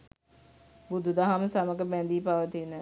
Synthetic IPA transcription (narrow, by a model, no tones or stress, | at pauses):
bud̪ʱud̪aɦamsɐməkəbɛ̃nd̪iːpaʋət̪inə